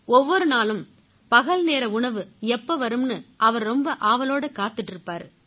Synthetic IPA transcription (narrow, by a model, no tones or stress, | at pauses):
ɔʋːɔɾɯnaːlɯm | pɐɣɐlneːɾɐʊɳɐʋɯɛpːɐʋɐɾɯmnɯʔɐʋɐɾɾɔmbɐʔaːʋɐloːɽɐkaːt̪ːɯʈːɪɾɯpːaːɾ